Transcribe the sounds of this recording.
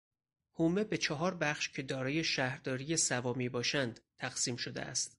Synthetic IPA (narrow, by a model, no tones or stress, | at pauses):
hume̞be̞t͡ʃʰɒɦɒːɾbæχʃcʰe̞d̪ɒːɾɒːje̞ʃæhɾd̪ɒːɾijesævɒːmiːbɒːʃænd̪t̪ʰæɣsiːmʃo̞d̪ḛæ̰st̪